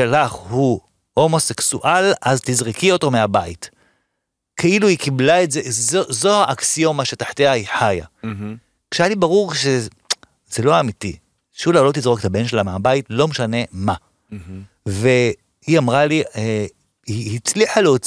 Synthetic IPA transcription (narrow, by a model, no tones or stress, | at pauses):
alaχhu | ho̞mo̞se̞ksṵʔalazt̪izʁikio̞to̞meabait | kʰeiluikiblaetzezozohaʔaksiomaʃetaħteaiħaja̰ | kʃeajalibaʁuʁʃe̞ | z̥elo̞aːmiti | ʃulalot̪izʁokt̪abe̞nʃelameabaitlo̞meʃane̞ma | ve̞ | iamʁalie | iːt͡sliħaleot͡s